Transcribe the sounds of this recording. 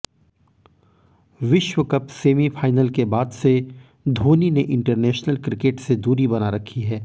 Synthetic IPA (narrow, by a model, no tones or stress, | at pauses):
ʋɪʃwəkɐpseːmifʰaːɪnəlkebaːd̪se | d̪ʱoːnineʔɪ̃ɳʈəɾnɛːʃnəlkɾɪkeːʈsed̪uːɾibɐnaɾɐkʰiɦɛː